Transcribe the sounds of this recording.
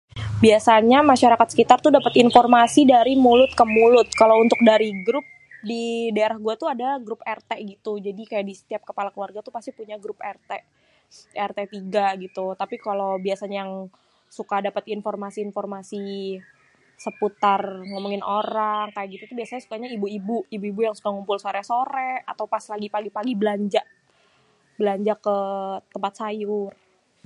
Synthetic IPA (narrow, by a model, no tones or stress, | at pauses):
biasaɲamaʃaɾakat̪̚sə̥kit̪art̪udapat̪informasidaɾimulʊt̪̚kəmulʊt̪̚kalaunt̪ʊk̚daɾiɡɾʊp̚ | didaeɾahɡuat̪uadaɡɾʊpɛrt̪eɡit̪ud͡ʒadikajaʔdisə̥t̪iap̚kəpalakluwarɡat̪upast̪ipuɲaɡɾʊpɛrt̪e | ɛrt̪et̪iɡaɡit̪ut̪apikalowbiasaɲajaŋ | sukadapət̪informasiːnformasi | səput̪arŋəmuŋɪnoɾaŋkajaʔɡit̪ut̪ubiasaɲasu̥kaɲaibuibuibuibujaŋsu̥kaŋumpʊlsoɾɛsoɾɛat̪awpaslaɡipaɡipaɡibəlaɲd͡ʒa | bəlaɲd͡ʒakət̪əmpat̪̚sajʊr